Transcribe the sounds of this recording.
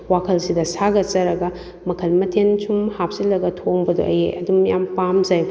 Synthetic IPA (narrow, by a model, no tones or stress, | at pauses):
wakʰɐlsidɐsaɡɐt͡ʃɐɾɐɡɐ | mɐkʰɐlmɐtʰent͡ʃʰumhap̚silɐɡɐtʰoŋbɐdo̰ʔɐjḛʔɐdumjampamzaj